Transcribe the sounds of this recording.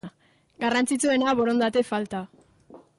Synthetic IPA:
ɡarant͡sit͡sue̞naβo̞ɾo̞nd̪at̪e̞falt̪a

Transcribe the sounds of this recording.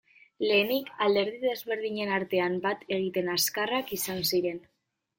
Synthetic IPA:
le̞ːnikald̪e̞ɾð̞iðe̞zβe̞ɾð̞iɲe̞naɾt̪e̞ambat̪ʰe̞ɣ̞it̪e̞naskarakisansiɾe̞n

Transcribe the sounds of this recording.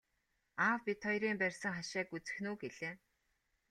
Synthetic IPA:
aːwpʲit̪ʰːɔjɾiːmpærʲsə̆ŋχaʃaːkut͡sɘ̆xnuːɡeɮeː

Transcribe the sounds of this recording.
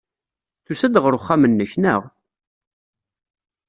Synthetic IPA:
θusæd̪ʁəɾʊχːamənːəçnəʁ

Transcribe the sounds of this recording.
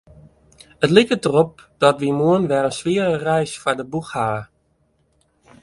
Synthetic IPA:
ətlɪkədərop̚d̥ɔtʋimuənʋɛrənsʋɪərərɛjsfaɹdəbuxhaːə

